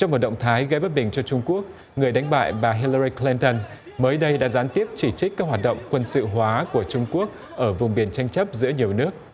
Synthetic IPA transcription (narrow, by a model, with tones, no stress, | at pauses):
t͡ɕɔ˧wŋ͡mmo˨˩t̚ɗə̰˧˨wŋ͡mt̪ʰaː˨˦jɣə˧jɓə˦˥t̚ɓï˨˩ŋ̟t͡ɕɔ˧t͡ɕʊ˧ŋ͡mku˦˥ək̚ | ŋɨ˨˩əjɗa˨˦jŋ̟ɓa̰ː˧˨jɓaː˨˩ɦi˧lə˧zi˧kli˧nt̪ə˧n | məː˨˦jɗə˧jɗa̰ː˧˥zaː˨˦nt̪i˦˥əp̚t͡ɕi˧˩t͡ɕï˦˥k̟̚kaː˦˥k̚hwaː˨˩t̚ɗə̰˧˨wŋ͡mkwə˧nsɨ̰˧˨ɦwaː˨˦ku˧˩ət͡ɕʊ˧ŋ͡mku˦˥ək̚ | ʔəː˧˩vʊ˨˩ŋ͡mɓi˨˩ənt͡ɕa˧jŋ̟t͡ɕə˦˥p̚zɨ̰˧˥əɲi˨˩əwnɨ˦˥ək̚